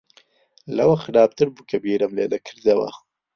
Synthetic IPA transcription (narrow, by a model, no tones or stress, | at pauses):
lɐwɐxɨɾɑːb̚t̪ɨɾbukʰɐbiːɾɐmlḛːd̪ɐkʰɨɾd̪ɐwɐ̰